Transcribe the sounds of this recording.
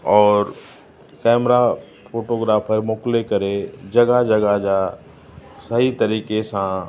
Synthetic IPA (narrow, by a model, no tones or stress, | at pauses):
ɔːɾ | kɛːmɾa | foːʈoːɡɾaːfʰəɾmʊklekɐɾed͡ʑɐɡad͡ʒɐɡad͡ʑa | sɐɦit̪ɐɾiːkesã